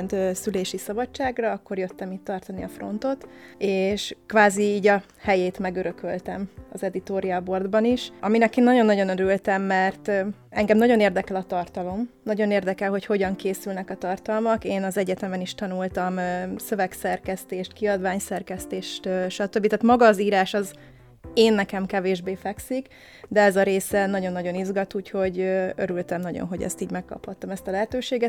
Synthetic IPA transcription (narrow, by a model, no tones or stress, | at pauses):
nt̪øsyleːʃisɒbɒt͡ʃt͡ʃːaːɡrɒɒkːo̞rjø̞t̪ːɛmiːt̪t̪ɒrt̪ɒniɒfro̞̰nt̪o̞t̪eːʃkʋaːziiːɟɒ | hɛjeːt̪mɛɡøɾø̞kø̞lt̪ɛmɒ̰zɛd̪it̪oːɾiɒbo̞rd̪bɒniʃɒminɛkeːnːɒɟo̞nːɒɟo̞nøɾylt̪ɛmːɛrt̪ɛŋɡɛmnɒɟo̞neːrd̪ɛkɛlɒt̪ɒrt̪ɒlo̞mnɒɟo̞neːrd̪ɛkɛlɦo̞cho̞ɟɒŋkeːsylnɛkɒt̪ɒrt̪ɒlmɒkeːnɒzɛɟɛt̪ɛmɛniʃt̪ɒnult̪ɒmsø̞vɛksɛrkɛst̪eːʃt̪̚kiɒd̪ʋaːɲsɛrkɛst̪eːʃt̪øʃɒt̪øbːit̪aːt̪mɒɡɒːziːɾaːʃɒz | eːnːɛkɛmkɛveːʒbeːfɛksik | d̪ɛɛzɒɾeːsɛnɒɟo̞nːɒɟo̞nizɡɒt̪uːcho̞ɟøøɾylt̪ɛmnɒɟo̰nɦo̞̰ɟɛ̰st̪iːɟmɛkːɒ̰phɒt̪ːɒmɛst̪ɒlɛɦɛt̪øːʃeːɡɛt̪